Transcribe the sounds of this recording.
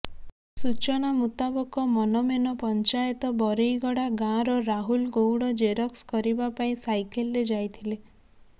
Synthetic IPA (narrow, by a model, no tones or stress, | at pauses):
sut͡ʃɔñamut̪abɔkɔmɔnɔmenɔpɔnt͡ʃajɔt̪ɔbɔɾejɡɔɽaɡãɾɔɾaɦulɡowɽɔd͡ʒeɾɔkskɔɾibapaĩsajkelːed͡ʒajt̪ʰile